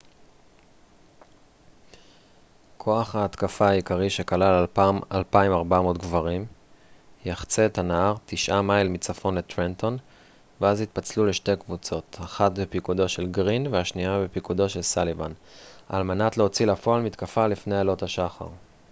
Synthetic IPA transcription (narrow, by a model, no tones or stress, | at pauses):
kʰo̞aχhaːt̪kafaːikaʁiʃe̞kalalaalpaimaʁbamo̞tɡvaʁim | jaχt͡setanaaʁt̪iʃʔamailmit͡safo̞nlet̪ʁento̞n | veazhit̪̚pat͡sluleʃte̞kvut͡so̞t̪aχatbepikud̪o̞ʃe̞lɡʁinveaʃniabepikud̪o̞ʃe̞lsalivanaːlmenatleot͡silafoalmit̪kafalifne̞jalo̞thaʃaχa̰ʁ